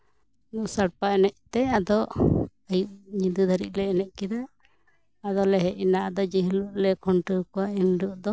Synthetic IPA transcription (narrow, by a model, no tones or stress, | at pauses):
nuʔsaɽpaɛnɛʔ̚t̪ɛad̪ɔʔ | əjuʔɲid̪ud̪ʱaɾḭʔ̪̚ˀlɛːnɛʔ̚kid̪a | ad̪ɔlɛɦɛʔinaʔd̪ɔd͡ʒiɦluʔlɛkʰɔɳʈəkɔwainɖuʔd̪ɔ